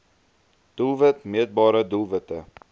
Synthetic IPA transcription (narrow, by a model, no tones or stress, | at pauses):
d̥ulˠvətmiət̚bɑːɾədulˠvətə